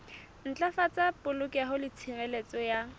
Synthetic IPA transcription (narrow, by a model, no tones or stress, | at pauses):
n̩t͡ɬʼafat͡sʼapʼʊlʊkʼaɦʊlɪt͡sʰirɛlet͡sʼɔja